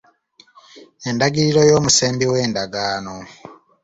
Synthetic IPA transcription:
e̞ndaɡiɾiɾo̞jo̞ːmuseːmbiwe̞ːndaɡaːno̞

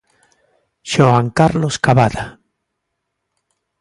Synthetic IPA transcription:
ʃoaŋkaɾloskaβaða

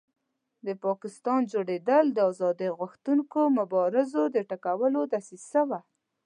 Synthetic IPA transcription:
d̪əpɑkɪst̪ɑnd͡ʒoɽed̪əld̪əɑzɑd̪əjɣʊxt̪unkomʊbɑɾɪzod̪əʈakawəlod̪asisəwa

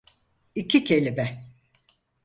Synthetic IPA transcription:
icʰicʰe̞lʲibɛ

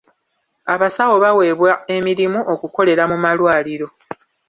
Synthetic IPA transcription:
aβasawo̞βawe̞ːβwae̞miɾimuʔo̞kuko̞le̞ɾamumalwaːliɾo̞

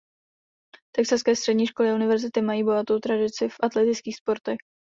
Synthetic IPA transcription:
t̪ɛksaskɛːst̪r̥ɛdɲiːʃko̞lɪaʔunɪvɛɾzɪt̪ɪmajiːbo̞ɦat̪o̞wt̪ɾadɪt͡sɪfʔat̪lɛt̪ɪt͡skiːxspo̞ɾt̪ɛx

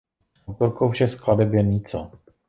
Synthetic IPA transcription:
wt̪oɾkowfʃɛskladɛbjɛɲit͡so

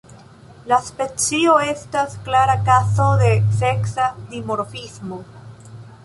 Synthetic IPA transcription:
laspet͡sioestasklaɾakasoðeseksad̪imoɾfizmo

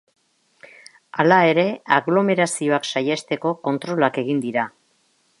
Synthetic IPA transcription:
alae̞ɾe̞aɣlo̞me̞ɾasio̞aksajest̪e̞ko̞ko̞nt̪ɾo̞lake̞ɣ̞ind̪iɾa

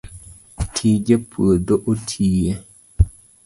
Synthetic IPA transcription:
tʰid͡ʒepʰədoʔotʰije

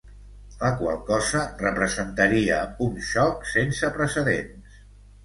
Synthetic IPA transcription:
ləkwa̰lˠkɔzərəpɾəzənt̪əɾiəunʃɔksensəpɾəsəðḛns

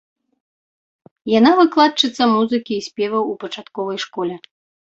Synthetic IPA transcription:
janavɨklˠat̪̚t͡ʂɨt̪sːɐmuzɨkʲiːsʲpʲɛvɐwupɐt͡ʂat̪kɔvɐjʂkɔlʲɛ

